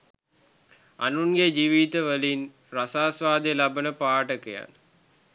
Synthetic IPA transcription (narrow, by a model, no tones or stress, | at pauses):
a̰nunɡed͡ʒiːʋit̪əʋəlin | rasaːsʋaːd̪elabənəpaːʈəkəja̰n